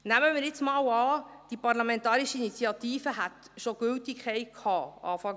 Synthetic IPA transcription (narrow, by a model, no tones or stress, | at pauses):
næməmiːɾjɪt͡smɑːwɑːd̥ipɑrlɑmɛntɑːɾiʃəinit͡siɑt̪iːfəɦæt̪ | ʃoɡ̥ʏltikχɛɪkʰhɑːɑ̰ːfɑŋ